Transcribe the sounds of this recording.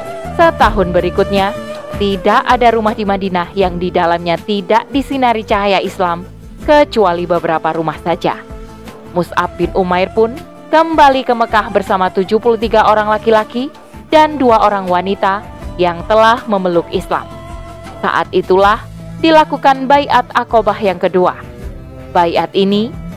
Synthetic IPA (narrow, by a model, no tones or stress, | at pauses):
sət̪aɦʊnbəɾikʊt̪̚ɲat̪idaʔadaɾumahdimahdinahjaŋdidalamɲat̪idaʔdisinaɾit͡ʃaɦajaʔislam | kət͡ʃualibəbəɾapaɾumahsad͡ʒa̰ | musʔa̰f̚bɪnʔumajrpʊn | kəmbalikəməkahbərsamat̪ud͡ʒupulut̪iɡaʔoɾaŋlakilaki | danduaʔoɾaŋwanit̪a | jaŋt̪əlahməməlukisla̰m | sa̰ʔa̰t̪̚it̪ulah | dilakukanbaiʔat̪̚akobahjaŋkədua̰ | baiat̪ini